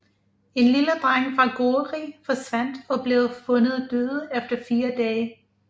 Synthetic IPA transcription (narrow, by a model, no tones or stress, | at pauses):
e̝nliləd̥ʁaŋ̰fʁɑ̈ɡ̥oːʁḭːfɒ̽sʋæn̰d̥ɒ̽b̥le̝ʊfɔ̽nð̩ˠd̥øːðˠəefd̥ɐfiːɐd̥ɛː